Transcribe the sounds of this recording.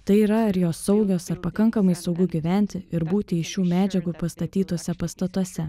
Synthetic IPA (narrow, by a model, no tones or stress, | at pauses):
t̪ɐɪiːɾɐɐɾjoːsːɐʊɡʲoːsɐɾpɐkɐŋkɐmɐɪsɒʊɡʊɡʲiʋʲæˑnʲt̪ʲɪɪɾbuːt̪ʲɪɪʃʲuːmʲæːd͡ʒʲɛɡuːpɐst̪ɐt̪ʲiːt̪oːsʲɛpɐst̪ɐt̪uɔsʲɛ